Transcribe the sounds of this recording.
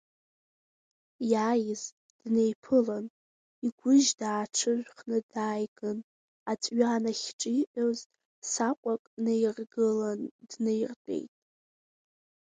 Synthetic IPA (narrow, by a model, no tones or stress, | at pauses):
jajɪz | d̥nejpʰɨlan | iɡʷʊʒdaːʈ͡ʂʰɨʒᶣʷχnɨdaːjɡɨn | at͡sʷʼɥanaχʲʈ͡ʂʼiiʔʼoz | sakʷʼakʼnejrɡɨlandnejrt͡pʼe̞̰jtʼ